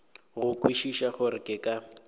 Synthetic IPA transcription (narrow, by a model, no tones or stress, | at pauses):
ɣʊkʼwiʃiʃaχʊɾɪkʼɪkʼa